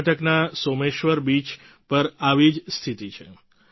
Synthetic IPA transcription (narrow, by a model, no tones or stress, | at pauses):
ʈəknasomeʃʋəɾbit͡ʃ | pəɾaʋid͡ʒst̪ʰit̪it͡ʃʰe